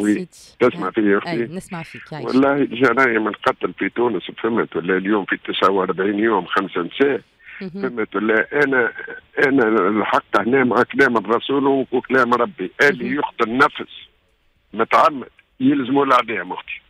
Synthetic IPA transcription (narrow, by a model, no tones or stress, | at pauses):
wi | t̪ɪsmaʕfijʊxt̪i | wɑ̰lˤːɑːhilʒæɾˤɑjimənqɑt̪lfit̪uːnəsfɪmːət̪wəlːɛljuːmfit̪əsʕawɑɾˤbʕiːnjuːmxamsant̪sæːʕ | fæmːət̪wəlːɛʔænɛʔænælħɑqːəhnɛːmaʕaklɛːmərˤɑsuːlkuklɛːmɾˤɑbːiʔælːijʊxt̪ənnːæfs | mʊt̪ʕamːə̰d̪ | jɪlzmulaʕd̪ihmʊxt̪i̥